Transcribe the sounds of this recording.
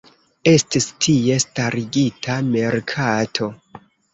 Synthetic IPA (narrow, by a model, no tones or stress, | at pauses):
e̞stistʰie̞staɾiɡitʰame̞ɾkʰatʰo̞